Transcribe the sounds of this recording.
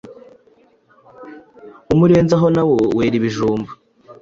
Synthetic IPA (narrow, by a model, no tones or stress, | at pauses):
umuɾe̞ːnzaɦo̞nawoweːɾiβiʒuːmbu